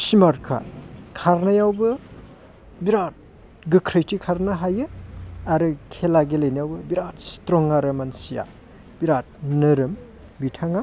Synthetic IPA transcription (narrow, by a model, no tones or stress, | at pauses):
simaɾkʰa̰kʰaɾnajawbɯ | biɾat̚ | ɡɯkʰɾɯjtikʰaɾnɐɦajɯaɾɯkʰelaɡelejnajawbɯbiɾat̚stɾɔŋaɾɯmansija̰ | b̥iɾat̚nɯɾɯm | bitʰaŋa